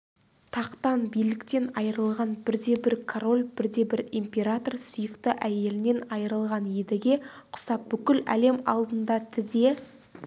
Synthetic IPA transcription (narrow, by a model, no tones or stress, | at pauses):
t̪ʰɑqt̪ɑnbijlɪkt̪e̞nɑjəɾəlˠʁɑnbɪɾd̪e̞bɪɾkʰoɾo̞lʲbɪɾd̪e̞bɪɾimpʲe̞ɾat̪o̞rsʏjəkt̪ɪʔæje̞lɪne̞nɑjəɾəlˠʁɑnjed̪ɪɡʲe̞qʰʊ̥sɑp̚b̥ʏkʲɪlæ̰le̞mɑ̰lˠd̪ənd̪ɑt̪ʰɪze̞